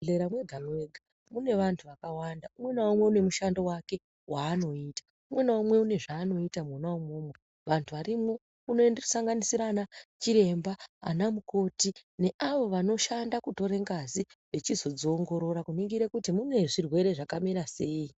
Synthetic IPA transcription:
ɮeɾamweɡʱamwe̞ɡʱa | mune̞ʋantʰuʋakawandaumwe̞naumwe̞une̞muʃando̞wake̞ | waːno̞itḁ | umwe̞naomwe̞une̞ʐaːno̞itamwanaomoːmwe | ʋantʰuʋaɾimo̞ | uno̞ndeku̥saŋɡanisiɾanat͡ʃiɾe̞mbaa̰namuko̞tine̞ʔaʋo̞ʋano̞ʃandakuto̞ɾeŋɡaziʋe̞t͡ʃizo̞d͡zoːŋɡo̞ɾo̞ɾakuniŋɡiɾekutimune̞ʐirwe̞ɾe̞ʐakamiɾase̞i

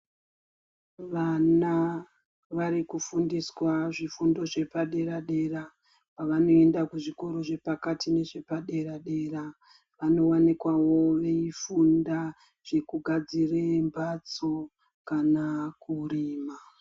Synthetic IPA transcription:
ʋana | ʋaɾikufundiswaʐifundo̞ʐe̞paɗe̞ɾaɗe̞ra | paʋano̞e̞ndakuʐiko̞ɾo̞ʐe̞pakatine̞ʐe̞paɗe̞ɾaɗe̞ːra | ʋano̞wanikwawo̞ʋe̞ifunda | ʐ̥e̞kuɡʱad͡zirembat͡so̞ | kanakuriːma

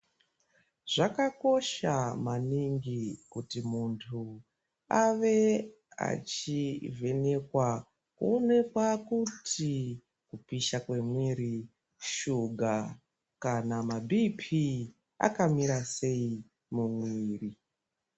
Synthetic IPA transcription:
ʐ̥akako̞ʃamaniŋɡikutimuntʰu | aʋe̞ | a̰t͡ʃivʱe̞ne̞kwa | kṵone̞kwakutʰi | kupiʃakwe̞mwiɾi | ʃuɡʱa | kanamabʱipʰi | a̰kamiɾase̞i | mumwiiːri

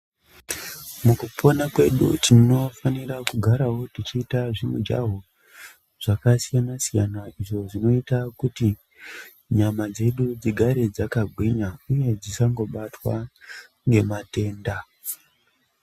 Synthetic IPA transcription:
mukupʰo̞nakwe̞ɗṵtino̞fanirakuɡʱaɾawo̞tit͡ʃiːtaʐimud͡ʒa̰ɦo | ʐ̥akasijanasijanaiʐo̞ʐino̞itakuti | ɲamad͡ze̞ɗud͡ziɡʱaɾe̞d͡zakaɡʱwiɲauje̞d͡zisaŋɡo̞ɓatwa̰ | ŋɡe̞mate̞ːnda

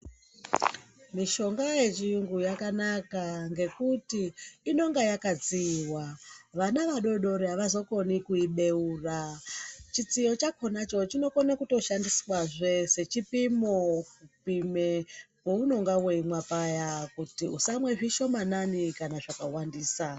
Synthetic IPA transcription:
miʃo̞ŋɡaje̞t͡ʃijuŋɡujakanakaŋɡe̞kutiːno̞ŋɡajakad͡ziwaʋanaʋaɗo̞ɗo̞ɾeaʋazo̞ko̞nikuiɓe̞uːra | t͡ʃit͡sijo̞t͡ʃakʰo̞nat͡ʃo̞t͡ʃino̞konakuto̞ʃandiswaʐese̞t͡ʃipimokupimewouno̞ŋɡaweimwapajakutiusamwe̞ʐiʃo̞mananikanaʐakawandiːsa

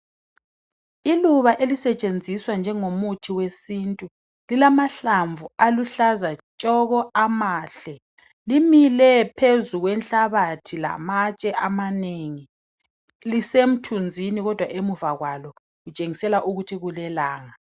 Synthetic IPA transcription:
iluβaʔelisɛt͡ʃʼend͡zʱiswand͡ʒʱɛŋomutʰiwesintʼu | lilamaɬaɱvualuɬazat͡ʃʼɔɣɔamaːɬɛ | limilɛpʰezuɣwɛnɬaβatʰila̰mat͡ʃʼɛʔamaneŋi | lisem̩tʰund͡zʱiniɣɔd̥ʱwaʔemuvaɣwalɔ | ɣut͡ʃʼeŋisɛlaʔuɣutʰiɣulɛlaːŋa

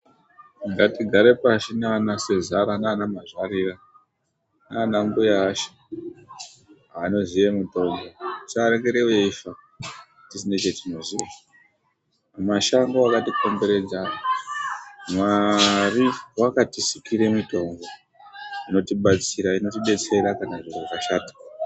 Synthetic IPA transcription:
ŋɡatiɡʱaɾe̞paʃinanasezaɾanaːnamaʐwarira | nanaŋɡujaːʃḁ | ano̞zijemito̞mɡo̞t͡ʃaɾekeɾeueiʃa | tisine̞t͡ʃe̞tino̞zia | maʃaŋɡoakatiko̞mbe̞ɾe̞d͡za | mwariwakatisikiɾe̞mito̞ŋɡo | ino̞tiɓat͡siɾaino̞t̬iɓe̞t͡se̞ɾakanaʐireraʃaːti̥

